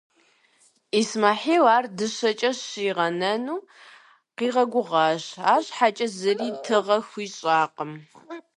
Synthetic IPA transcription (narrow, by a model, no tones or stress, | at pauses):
ismaːħiːwaːrdɨɕɐt͡ʃʼɐɕiːʁɐnɐnuː | qiːʁɐɡʷʊʁɑːɕaːɕʼħat͡ʃʼɐzɨriːtʰɨʁɐxʷiːɕʼaːqəm